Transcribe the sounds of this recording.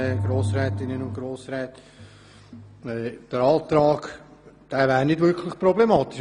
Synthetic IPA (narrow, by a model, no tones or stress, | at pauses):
ɡ̥ɾoːsɾɛːt̪ɪnənʊ̃ntɡ̥ɾoːsɾɛːtː | ɛd̪̥əɾɑːt̪ɾɑːɡ | d̥æːvæːɾnɪdʋʏɾkʰlɪχpɾɔblemɑːt̪ɪ̥ʃ